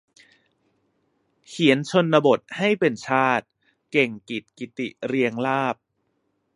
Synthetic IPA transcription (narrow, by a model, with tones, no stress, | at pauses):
kʰi˩˦ənt͡ɕʰo˧nːa˧bo˨˩t̪̚ha˥˩jpe˧nt͡ɕʰaː˥˩t̪̚ | ke˨˩ŋki˨˩t̪̚ki˨˩t̪i˨˩ɾi˧əŋlaː˥˩p̚